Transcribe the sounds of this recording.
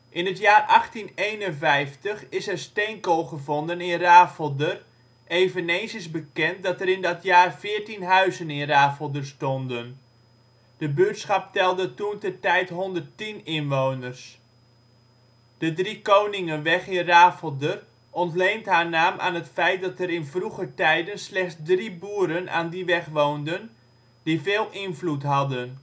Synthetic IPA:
ʔɪnɦətjaːɹʔɑχtinejnənvɛjftəχɪsɛɹstejŋkolˠχəvɔndənɪnraːfəlˠdər | ejvənejnsɪzbəkɛnt̚dɑtəɾɪndɑtjaːrvɪːɹtinɦœɥzənɪnraːfəlˠdəɹstɔndən | d̥əbøːtsχɑp̚tɛlˠdətuntəɹtɛjtɦɔndəɹtinɪnʋownəɹs | d̥ədrikownɪŋənʋɛχɪnraːfəlˠdər | ɔntlejntɦaːɹnaːmʔa̰ːnɦətfɛjt̚dɑtəɾɪnvruχətɛjdənslɛχsdribuːɾənʔa̰ːndiʋɛχʋowndən | d̥ivɪːlˠʔɪnvlutɦɑdən

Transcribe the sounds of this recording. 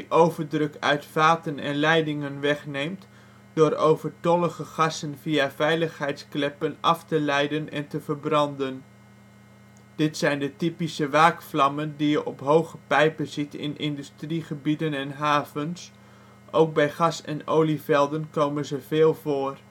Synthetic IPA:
diʔowvəɹdrøkœ̰ɥtfaːtənɛ̰nlɛjdɪŋənʋɛχnejmt | d̥ʊːɾowvəɹtɔləχəχɑsənviavɛjləχɦɛjtsklɛpənʔɑftəlɛjdənɛ̰ntəvərbrɑndən | d̥ɪtsɛjndətipisəʋaːkflɑməndijəʔɔpɦowχəpɛjpəzitɪ̰nʔɪ̰ndystriχəbidənɛnɦaːvəns | ʔowk̚bɛjχɑsɛ̰nowlifɛlˠdənkowmənzəv̥eːlˠvoːr

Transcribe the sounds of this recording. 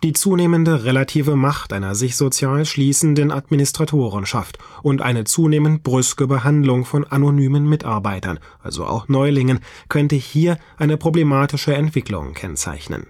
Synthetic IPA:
d̥iːt͡suːneːməndəʁelatʰiːvəmaχtʔaɪnɐzɪçz̥ot͡sjaːlʃliːsn̩dənʔatminɪstʁ̥atʰoːʁ̞ənʃa̰ft | ʔʊntʔa̰ɪnət͡suːneːmənt̚b̥ʁʏskəbəɦandlʊŋfɔnʔanonyːmənmɪta̰ɐbaɪtɐ̰nʔa̰lzo̰ʔa̰ʊxnɔʏlɪŋən | kʰœntəhiːɐʔaɪnəpʁ̥oblemaːtɪʃəɛntv̥ɪklʊ̰ŋkʰɛnt͡sa̰ɪçnə̰n

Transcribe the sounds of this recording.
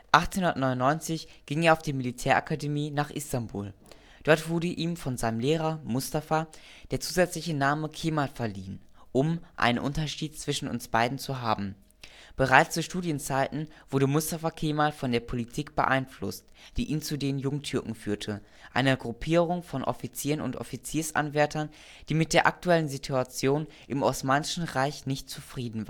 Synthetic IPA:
ʔaχtt͡senhʊndɐt̚nɔʏnʊnːɔʏnt͡sɪçɡ̥ɪŋeːɐaʊfd̥iːmilitʰɛːɐʔa̰kʰademiːnaːχʔɪstanbṵːl | d̥ɔɐtv̥ʊɐɾəʔiːmfɔnzaɪnəmleːʁɐmʊstafa | d̥eːɐt͡suːzɛt͡slɪçənaːməkʰeːmalfɛɐliːən | ʔʊmʔa̰ɪnənʔʊntɐʃiːt̚t͡sv̥ɪʃn̩ʊ̰nsb̥aɪdn̩t͡suɦaːbm̩ | b̥əʁaɪt͡st͡suːʃtuːdjənt͡saɪtn̩v̥ʊɐdəmʊstafakʰeːmalfɔndeːɐpʰolitʰiːkb̥ə̰ʔa̰ɪnflʊ̰std̥iːʔiːnt͡sudeːnjʊŋtʰʏɐkŋ̩fyːɐtʰə | ʔa̰ɪnəɡʁupʰiːʁʊŋfɔnʔɔ̰fit͡siːʁənʊ̰ntʔɔ̰fit͡siːɐsʔa̰nvɛɐtʰɐn | d̥iːmɪt̚d̥eːɐʔa̰k̚tuɛlənzitʰuat͡sjoːn | ʔɪmʔɔsmaːnɪʃn̩ʁaɪçnɪçtt͡sufʁ̥iːdn̩vaː

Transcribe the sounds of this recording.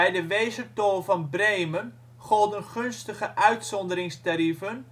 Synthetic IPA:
ɛjdəʋejzərtoːlˠvɑnbrejmən | χɔlˠdənχɵnstəχəʔœɥtsɔndəɾɪŋstaɾivən

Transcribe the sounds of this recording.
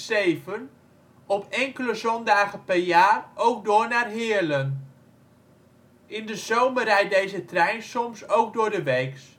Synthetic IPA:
sejvən | ɔpʰɛŋkələzɔndaːχəpɛɹjaːrʔowk̚dʊːɹnaːrɦɪːələn | ʔɪndəzowmərɛjdejzətrɛjnsɔmsowɡ̚dʊːɹdəʋɛjks

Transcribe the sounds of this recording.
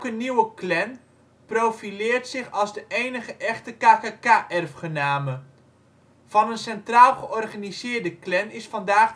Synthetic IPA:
kənːiwəklɛn | prowfilɪːrtsɪχɑlˠzdəʔejnəχəʔɛχtəkaːkakaʔɛrfχənaːmə | v̥ɑnənsɛntraːlˠχəʔɔrχanizɪːrdəklɛnɪsfɑndaːχ

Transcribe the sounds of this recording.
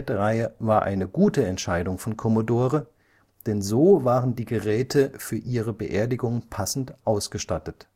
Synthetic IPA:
təʁaɪəvaːɐʔa̰ɪnəɡuːtəɛntʃaɪdʊŋfɔnkʰɔmodoːʁə | d̥ɛnzoːvaːʁəndiːɡəʁɛːtʰəfyːɐʔiːʁəbəʔeːɐdɪɡʊŋəpʰasn̩tʔaʊsɡ̥əʃtatət

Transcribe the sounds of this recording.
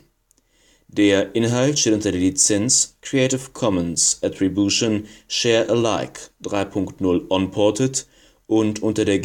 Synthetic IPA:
d̥eːɐʔɪnɦaltʃteːtʔʊntɐdeɐlit͡sɛnskʁ̥ieɪtɪfkʰɔmə̃nsʔɛtʁ̥ibjuʃonʃɛɐʔəlaɪkd̥ʁaɪpʰʊŋktnʊlʔɔnpʰɔɐtət | ʔʊntʔʊntɐɾeːɐ

